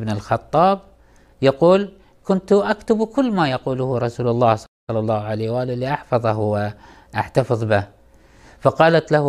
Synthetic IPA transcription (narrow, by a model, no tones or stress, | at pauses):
bnɪlxɑt̪ˤːɑːb̚ | jaquːl | kʊnt̪ʔakt̪abkʊlːmajaquːlʊhɾˤɑsuːlalˤːɑːhs | ɑlːɑlˤːɑːhʕalejwaːllːiʔɑħfɑðˤɑhwɪ | ʔaħt̪ɑfɨðˤbɪ | fɑqɑːlat̪lah